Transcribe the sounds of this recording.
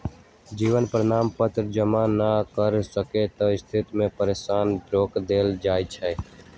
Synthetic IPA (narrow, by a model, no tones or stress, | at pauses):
d͡ʒiːʋənpɾənaːmpət̪ɾd͡ʒəmanakəɾsəket̪oɪst̪ʰɪt̪mẽpəɾeːʃaːnɾoːkd̪eːld͡ʒaːjt͡ʃʰɛː